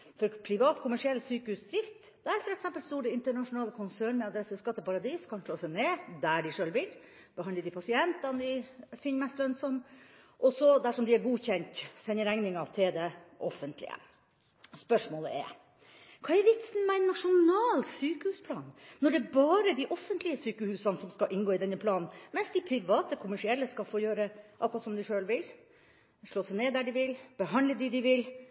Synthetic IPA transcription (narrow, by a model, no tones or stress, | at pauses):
fɔɾpʰɾɪʋɑːt̪kʰʊmæʂɪɛlːsyːkəhʉsd̪ɾɪft̪ | d̪æɾfɔɾɛksɛmpəlst̪uːɖəɪnt̪əɳɑʂʊnɑːləkʰʊnsæːɳɛɑd̪ɾɛsəskɑt̪ːəpɑɾɑd̪iːskʰɑnʂɭoːsɛneːd̪æɖɪʂøːlʋɪl | b̥əhɑnd̪əd̪ɪpʰɑsɪɛnt̪ɑnd̪ɪfɪnːmɛst̪lœnsɔnʔɔsɔd̪æʂɔmd̪ɪæɾɡuːçɛnt̪sɛnːəɾæŋnɪŋɑt̪ʰɪld̪ɛʔɔfənt̪lɪ̰ə̰ | spœʂmoːləʔɛ̰ɾ | kʰɑːɛʋɪt̪sn̩mæɪnːɑʂʊnɑːlsyːkəhʉːspʰlɑ̰ːnnɔɖɛːbɑːɾəd̪ɪʔɔfːənt̪lɪəsyːkəhʉːsɑnsɔmskɑʔɪnɡoːɪd̪ɛnːəpʰlɑːnn̩mɛnsd̪ɪpʰɾɪʋɑːt̪əkʰʊmæʂɪɛlːəskɑlfoːjøːɾəʔɑkɾɑt̪sɔmd̪ɪʂøːlʋɪl | ʂɭoːsɛneːd̪æɖɪʋɪlb̥əɦɑnd̪ləd̪ɪd̪ɪʋɪl